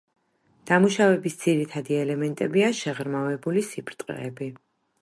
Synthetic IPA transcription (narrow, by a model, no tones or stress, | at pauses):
d̪̥amuʃavɛbisd̪ziɾit̪ʰad̪iɛlɛmɛnt̪ʼɛbiaʃɛʁɾmavɛbulisipʰɾt̪ʼqʼɛ̰bi